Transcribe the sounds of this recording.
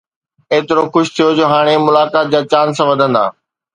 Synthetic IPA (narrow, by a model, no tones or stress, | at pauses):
eːt̪ɪɾoxʊʃt̪ʰijod͡ʑoːɦaːɽ̃emʊlaːkaːt̪̚d͡ʑaːt͡ɕaːnsãʋɐd̪ʱə̃nd̪a̰ː